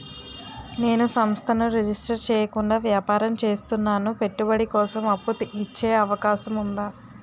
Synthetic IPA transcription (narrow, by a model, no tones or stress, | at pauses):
ne̞ːnusɐmst̪ʰɐnuɾed͡ʒisʈɐɾt͡ʃɛːjɐkuɳɖaːʋjaːpaːɾɐmt͡ʃe̞ːst̪unːaːnupe̞ʈːubɐɽikɔːsɐmɐpːut̪uit͡ʃːe̞ːɐʋɐkaːʃɐmund̪aː